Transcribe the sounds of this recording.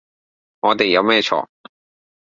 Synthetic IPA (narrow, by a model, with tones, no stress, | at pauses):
ŋɔː˨˧t̪e˨jːɐ˨˧wmɛː˥t͡ʃʰɔ̰ː˨˩